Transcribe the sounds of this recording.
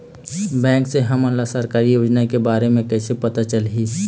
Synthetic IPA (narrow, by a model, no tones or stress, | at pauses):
bɛ̃ːŋkseɦɐmə̃nlasəɾkaːɾijoːd͡ʒnaikebaːɾemẽkɛːsepət̪at͡ʃəlɦiː